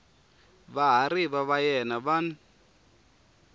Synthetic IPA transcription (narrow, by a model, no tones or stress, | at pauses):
βaɦaɾiβaβajɛnaβan